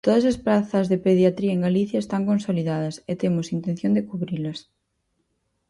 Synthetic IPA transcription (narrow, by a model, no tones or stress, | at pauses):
t̪oðɐsɐspɾaθɐzðepeðjat̪ɾiɐeŋɡaliθjaɐest̪aŋkõnsoliðað̞ɐset̪emʊsint̪ẽnθjõnd̪ekuβɾilɐs